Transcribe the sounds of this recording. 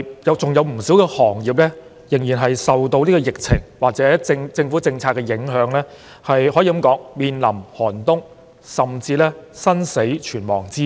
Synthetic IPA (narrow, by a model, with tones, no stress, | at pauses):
jɐ˨˧wt͡sʊ˨ŋjɐ˨˧wm̩˨˩si˨˥wkɛː˧hɔː˨˩ŋjiː˨˩p̚lɛː˥ | jɪ˨˩ŋjiː˨˩nɦɐ˨jsɐ˨wt̪o˧wniː˥kɔ˧jɪ˨k̚t͡sʰɪ˨˩ŋwaː˨k̚t͡sɛː˨˦˥t͡sɪ˧ŋt͡sɪ˧ŋfu˨˥t͡sɪ˧ŋt͡sʰaː˧t̚kɛː˧jɪ˨˥ŋɦœː˨˧ŋlɛː˥ | hɐ˨jhɔː˨˥jiː˨˧kɐ˨˥mkɔː˨˥ŋmiː˨˧nlɐ˨˩mhɔː˨˩nt̪ʊ˥ŋ | sɐ˨˩mt͡siː˧lɛː˥sɐ˥nse˨˥jt͡ʃʰyː˨˩nmɔ̰ː˨˩ŋt͡siː˥